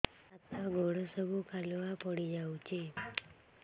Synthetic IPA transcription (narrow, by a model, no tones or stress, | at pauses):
ət̪aɡʱoɽəsəbʱukalʋapəɽid͡ʒaut͡ʃʰe